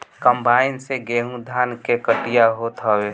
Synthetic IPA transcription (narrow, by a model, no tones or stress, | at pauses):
kəmbaɪnseɡeɦũd̪ʱaːnkekəʈijaɦot̪ɦəwe